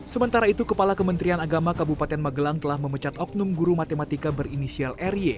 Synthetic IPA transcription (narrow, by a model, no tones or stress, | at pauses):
səmənt̪aɾait̪ukəpalakəmənt̪ɾianaɡamakabupat̪ɛnmaɡəlaŋt̪əlahməmət͡ʃat̪ɔk̚numɡuɾumat̪emat̪ikabərinisialɛrie